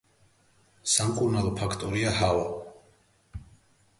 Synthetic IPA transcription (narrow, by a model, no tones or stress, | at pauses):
samkʼuɾnalˠɔpʰakʰt̪ʼɔɾiaɦava